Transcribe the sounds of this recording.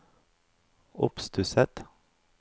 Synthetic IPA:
ʊpst̪ʰʉsɛt̪

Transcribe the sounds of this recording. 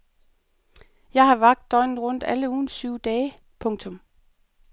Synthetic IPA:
jɑ̈ɪhɑ̈ʋɑ̈ɡ̥̚d̥ːɒ̽ɪnn̩ʁɔ̽n̰d̥æləuːnsyʊd̥ɛː | pʰɔ̽ŋt͡sʰɔ̽m

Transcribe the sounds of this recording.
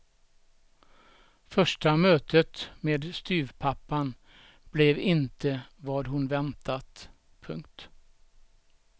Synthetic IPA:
fœʂʈamøːt̪ʰət̪meːd̪st̪yːvpʰapːan | b̥lɛvɪnt̪ʰəvɑːd̪ɦʊnvɛnt̪ʰat̪ | pʰɵŋkt̪

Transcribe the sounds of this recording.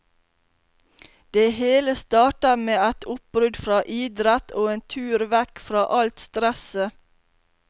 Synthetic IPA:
d̪̥eheːləst̪ɑːʈɑmeːæt̪ʰʊp̚bɾʉd̪fɾɑːʔiːd̪ɾɛt̪ʰoːeːnt̪ʰʉːɾʋɛkfɾɑːʔɑlt̪st̪ɾɛsə

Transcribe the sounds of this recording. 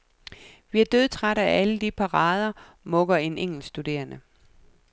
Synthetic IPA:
ʋiæɐd̥øðˠt͡sʰʁaɾɐæʔæləd̥ipʰɑ̈ʁɑ̈ːð̞ˠɐ | mɔ̽ɡ̥ɐe̝neŋ̰l̩sd̥ud̥e̝̰ːɐnə

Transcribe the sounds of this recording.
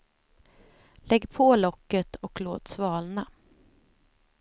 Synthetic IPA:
lɛɡːpʰoːlɔkːət̪ɔkloːt̪svɑːlna

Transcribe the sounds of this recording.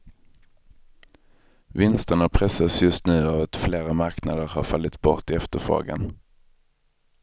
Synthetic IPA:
vɪnst̪əɳapʰɾɛsːasjɵst̪nʉ̟ːavat̪fleːɾamaɾknad̪əɾhaɾfalːɪt̪bɔ̰ʈɪɛft̪əɾfɾo̰ːɡa̰n

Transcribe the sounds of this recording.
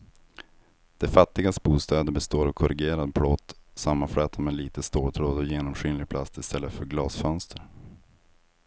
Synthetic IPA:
d̪̥ɛfat̪ːɪɡast̪buːst̪ɑːd̪əɾbɛst̪oːɾɔkʰɔɾʔɪɡeːɾad̪bʰɽɔt̪ːsamːanfɽɛːt̪ʰamɛːnliːt̪əst̪oːt̪ʰɾoːd̪ɔjeːnɔmɧyːnlɪɡ̚pʰlast̪ɪst̪ɛlːəfœɾɡlɑːsfœnst̪ʰəɾ

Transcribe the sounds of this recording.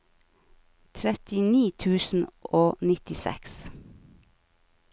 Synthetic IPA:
t̪ʰɾɛt̪ɪniːt̪ʰʉːsn̩oːnɪt̪ɪsɛ̰ks

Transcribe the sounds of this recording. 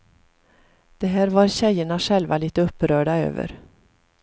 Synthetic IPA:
d̪̥ɛɦæːɾvaɾɕɛjːəɳaʂɛlvaliːt̪əɵpːɾœːɖaø̰ːvə̰ɾ

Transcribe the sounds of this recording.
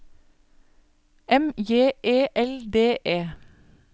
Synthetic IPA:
ɛmjeːʔeːʔɛld̪eːʔeː

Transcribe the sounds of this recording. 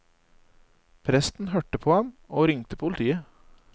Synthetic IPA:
pʰɾɛst̪n̩hœʈəpʰoːɑmoːɾɪŋt̪əpʰʊlt̪ʰiːə

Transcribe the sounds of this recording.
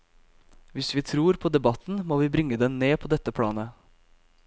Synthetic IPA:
ʋɪsʋiːt̪ʰɾuːɾpʰoːd̪ɛbɑt̪n̩moːʋiːbɾɪŋəd̪ɛnneːpʰoːd̪ɛt̪ːəpʰɽɑ̰ːnə

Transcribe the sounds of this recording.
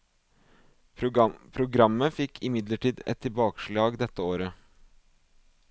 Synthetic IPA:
pʰɾʊɡɾɑmːəfɪkːʰɪmɪd̪ləʈiːd̪ɛ̰t̪ʰːɪbɑːkʃɭɑːɡd̪ɛt̪ːəoːɾə

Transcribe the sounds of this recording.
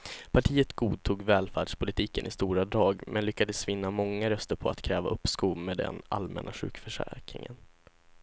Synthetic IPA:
pʰaʈʰiːət̪ɡuːd̪̚t̪ʰuːɡvɛːlfæːɖʂpʰʊlɪt̪ʰiːkənɪst̪uːɾad̪ɾɑːɡmʔɛnlʏkːad̪əsvɪnːamɔŋːaɾœst̪əɾpʰɔat̪kʰɾɛːvaɵpːskuːmed̪ɛ̰na̰lmʔɛ̰nʔaɧʉ̟ːkfœʂæ̰ɾkɾɪ̰ŋə̰n

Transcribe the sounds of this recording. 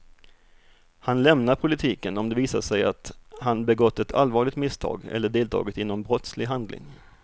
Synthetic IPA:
hanlɛmnapʰʊlɪt̪ʰiːkənɔmd̪ɛviːsasɛja̰t̪hanbɛɡɔt̪ːɛt̪ʰa̰lvɑːɾɭɪt̪mɪst̪ʰɑ̰ːɡɛ̰lːəɖeːlt̪ʰɑ̰ːɡət̪ɪnːɔmbɾɔt̪slɪɡɦand̪lɪ̰ŋ

